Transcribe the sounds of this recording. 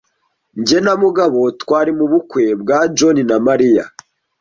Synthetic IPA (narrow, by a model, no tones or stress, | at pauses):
ɲɟe̞namuɡaβo̞tkwaːɾimuβukwe̞bɡaːd͡ʒoninamaɾija̰